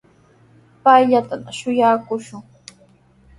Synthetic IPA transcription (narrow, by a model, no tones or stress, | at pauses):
pajʎat̪anʃʊjaːkʊʃʊŋ